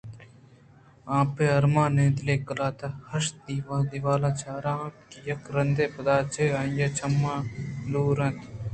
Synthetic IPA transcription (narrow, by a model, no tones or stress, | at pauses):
ãːpeːɐɾmãːnẽːd̪leːkɐlaːt̪ahɐʃd̪iːʋaːd̪iʋaːlaːt͡ʃaːɾãːkijɐkɾɐnd̪eːpɐd̪aːt͡ʃʰeːajaːt͡ʃʰɐmːãːluːɾɐ̃nt̪